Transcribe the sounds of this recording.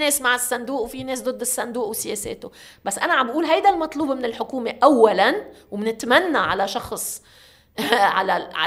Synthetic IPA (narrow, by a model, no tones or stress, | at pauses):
neːsmaʕɪsːand̪uːʔwfineːs̬d̪ˤɨd̪ːɪsːand̪uːʔwsɪjeːsḛːt̪obasːʔanaʕambʔuːlɦajd̪almɑt̪ˤluːbmɪnɪlħʊkuːmeʔawːalanwmɪnɪt̪manːaʕa̰laʃɑxsˤ | ʕa̰laʕa̰